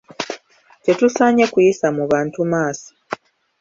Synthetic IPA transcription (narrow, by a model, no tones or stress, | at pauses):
te̞tusaɲe̞kujisamuβaːntumaːsḁ